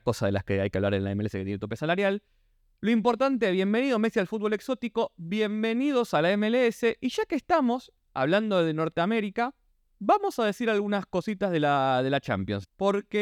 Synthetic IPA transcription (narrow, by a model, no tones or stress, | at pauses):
ko̞saðela̰skeajkea̰βla̰ɾenlaemeeseket̪jenet̪opesalaɾjalː | oimpo̞ɾt̪ant̪̬eβ̞je̞mbe̞niðo̞mesialfut̪̚βolekso̞t̪iko̞βje̞mbe̞nið̞o̞salaemeleese̞ʔiʒakeːst̪amo̞s | a̰β̞land̪o̞ð̞eno̞ɾt̪eame̞ɾika | βamo̞sað̞e̞siɾalɣunasko̞sit̪azð̞elaðe̞lat͡ʃa̰mpjo̞nspo̞ɾke